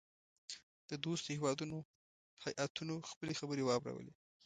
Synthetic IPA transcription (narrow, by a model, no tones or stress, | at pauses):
d̪̥əd̪ost̪hewɑd̪uno | hajʔat̪ʰunoxpəlexabəɾewɑbɾa̰wə̰le